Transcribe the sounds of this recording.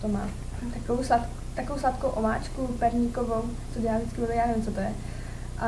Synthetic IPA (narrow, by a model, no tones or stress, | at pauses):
t̪oma̰ː | t̪akovowslat̪ | t̪akovowslat̪kowʔova̰ːt͡ʃkupɛɾɲikovowt͡sodɛaʒdɪt͡skɪbɪvijaːnɛvɪmt͡sot̪ojɛ | ʔa